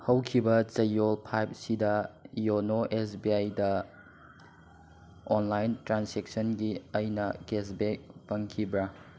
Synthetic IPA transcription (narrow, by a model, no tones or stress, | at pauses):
hɐwkʰibɐt͡ʃɐjːolpʰajp̚sidɐjonoʔesbiajdɐ | ɔnlajntɾansek̚sɐnɡiɐjnɐɡes̬bek̚pɐŋkʰibɾɐ